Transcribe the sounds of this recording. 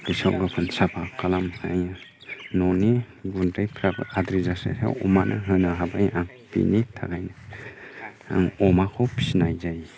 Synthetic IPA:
disawɡapʰɯnsapʰakʰalamaj | nɔni | ɡuntajpʰɾabɯ̰adɾizasa̰sa̰wɔmanʔɯ̰ɦɯnaɦabajaŋ | pḭnitʰa̰kʰajnɯ | a̰ŋɔmakʰɔpʰi̥sinajzaj

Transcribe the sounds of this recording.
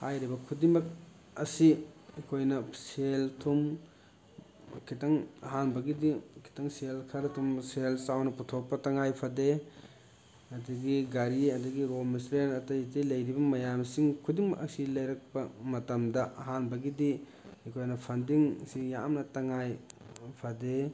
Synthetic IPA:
hajɾibɐkʰudiŋmɐk̚ | ɐsiekʰojnɐseltʰum | kʰitɐŋɐ̰ɦanbɐɡidikʰi̥tɐŋselkʰɐɾɐtʰumselsawnɐputʰok̚pːɐtɐŋajpʰɐde | ɐdɐɡiɡaɾiɐdɐɡiɾomisɾenɐtɐjtilɐjɾibɐmɐjamsiŋkʰudiŋmɐʔɐsilɐjɾɐk̚pɐmɐtɐmdɐʔɐɦanbɐɡidi | ekʰojnɐpʰɐndiŋsija̰mnɐtɐŋajpʰade

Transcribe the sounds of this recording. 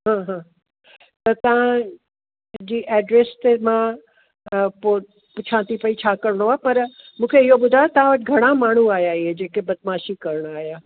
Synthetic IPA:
ɦãːɦãː | t̪ɐt̪ɐʋã | d͡ʑiːʔɛːɖɾest̪emã | po | pʊt͡ʃʰãːt̪ipɐit͡ɕʰaːkɐɾɽ̃oaːpɐɾmũːkʰeɪɦobʊd̪ʱaːjot̪ɐʋ̤ãʋɐʈɪɡʱɐɽ̃amaːɳ̤uaːjaiɦed͡ʑeːkebɐt̪̚maːʃikɐɾəɽ̃aːɦjaː

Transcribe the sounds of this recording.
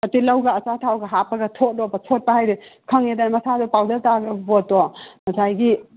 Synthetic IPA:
ɐtilɐwɡɐɐsatʰawɡɐɦapɐɡɐtʰot̚dɔbɐtʰot̚pahajɾikʰɐŋedanmɐsadɔpawdɐltaɡɐbɔtːɔmɐsajɡi

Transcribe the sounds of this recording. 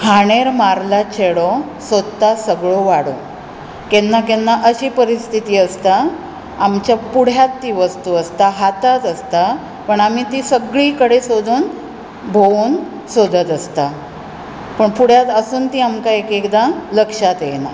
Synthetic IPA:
kʰaɽ̃eɾmaɾlat͡ɕʰeɽɔ | səd̪t̪ːasəɡɭoʋaɽo | kenːakenːaʔəɕiːpəɾist̪ʰit̪iːəst̪a | amt͡ɕjapuɽ̤jat̪ːiːʋəst̪uəst̪aɦat̪at̪əst̪a | pəɳam̤it̪isəɡɭiːkəɽesod̪ʱuːn | bʱouːn | sod̪ət̪əst̪a | pəɳpuɽ̤jat̪əsuːnt̪iamkaekekd̪aləkʂat̪jḛna̰

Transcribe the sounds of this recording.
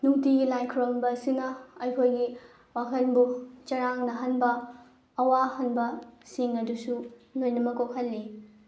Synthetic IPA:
nuŋtiɡilajkʰɾombɐsinɐɐjkʰojɡi | wakʰɐnbut͡ʃɐɾaŋnɐɦɐnbɐː | wahɐnbɐsiŋɐdusunojnɐmɐkok̚hɐlːi

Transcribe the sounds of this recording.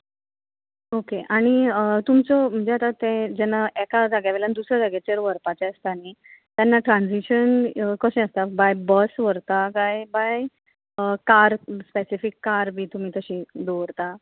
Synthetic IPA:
okeʔaɽ̃iət̪umt͡sɔm̤əɳd͡zeɦat̪at̪ːẽd͡ʑɛnːaʔekad͡zaɡjaʋelanid̪usɾad͡zaɡat͡ɕeɾʋəɾpat͡ɕɛəst̪añit̪janːaʈɾand͡ziɕənkəɕɛ̃əst̪abajbəsʋəɾt̪akajbaj | əkaɾspesifikːaɾbʱiːt̪um̤iːt̪əɕĩːd̪oʋɾt̪a

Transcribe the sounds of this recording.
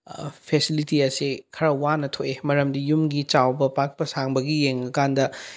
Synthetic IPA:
pʰesilitiɐsikʰɐɾɐwanɐtʰoʔemɐɾɐmdijumɡit͡ʃawbɐpak̚pɐsaŋbɐɡijeŋɐkandɐ

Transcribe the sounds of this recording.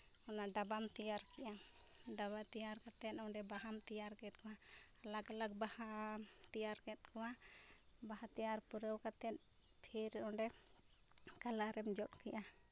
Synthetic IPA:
ɔnaɖabamt̪ijaɾkɛʔa | ɖaβat̪ijaɾkat̪ɛt̪̚ɔɖɛbaɦamt̪ijaɾkɛt̪̚ˀkɔwaː | laɡalaɡbaha | t̪ijaɾkɛt̪̚kɔwa | bahat̪ijaɾpuɾəwkat̪ɛt̪̚ | pʰiɾɔ̃ɖɛ | kalaɾɛmd͡ʒɔt̪̚kɛʔa

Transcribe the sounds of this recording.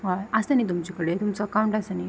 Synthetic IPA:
ʋaəsanit̪̬umt͡ɕikəɽet̪umt͡səəkauɳʈəsani

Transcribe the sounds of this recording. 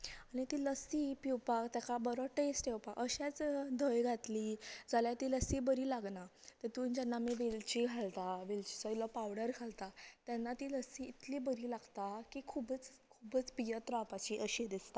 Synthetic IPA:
aɽñit̪iːləsiːpiwpakt̪jakabɔɾɔʈesʈewpakʔəɕat͡sd̪ʱəjɡʱat̪liːd͡zaljat̪iːləsibəɾiːlaɡnat̪et̪uːnd͡ʑanːameʋelt͡ɕiɡʱalt̪aʋelt͡ɕi̥sɔjlɔpawɽəɾkʰalt̪at̪janːat̪iːləsiːt̪libəɾiːlaɡt̪akikʰubət͡s | kʰubət͡spijət̪ɾãpat͡ɕiːʔəɕed̪ist̪a

